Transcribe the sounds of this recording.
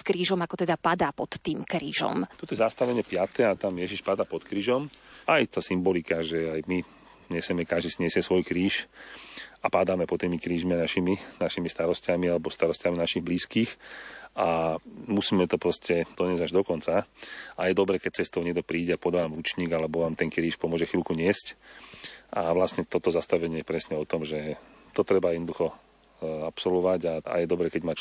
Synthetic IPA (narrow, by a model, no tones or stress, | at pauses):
skɾiːʒɔmakɔt̪ɛd̪apad̪aːpɔt̪ːiːmkɾiːʒɔ̰mt̪ɔt̪ɔjɛzast̪aʋɛɲɪɛpɪat̪ɛat̪amjɛʒiʃpad̪aːpɔt̪kɾiːʒɔmajt̪aːsimbɔlikaʒɛajmi | ɲɛsɛmɛkaʒd̪isiɲɪɛsɪɛsʋɔjkɾiːʃ | apad̪aːmɛpɔt̪ːiːmikɾiːʒmianaʃiminaʃimist̪aɾɔscamialɛbɔst̪aɾɔscaminaʃiɣbliːskiːxʔamusiːmɛt̪ɔpɾɔscɛd̪̥ɔɲɪɛzaʒd̪ɔkɔnt͡saajɛd̪ɔbɾɛːkɛc̚t͡sɛst̪ɔʊɲɛɡ̚d̪ɔpɾiːɟɛapɔd̪aʋamuːt͡ʃɲiːɡalɛbɔʋaːmt̪ɛnkɾiːʃpɔmʊɔʒɛxilkuɲɪɛsc | ʔaʋlasɲɛt̪ɔt̪ɔzast̪aʋɛɲɪɛjɛpɾɛsɲɛɔt̪ɔmʒɛ | t̪ɔt̪ɾɛbajɛd̪nɔd̪uxɔ | apsɔlʋɔʋaɟaa̰jɛd̪ɔbɾɛːkɛɟmaːt͡ʃ